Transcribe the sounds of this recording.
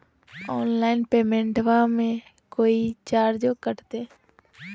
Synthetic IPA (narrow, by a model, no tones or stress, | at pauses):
ɔːnlaːɪnpeːmẽɳʈʋãmẽ | koːit͡ʃaːɾd͡ʒoːkəɾt̪eː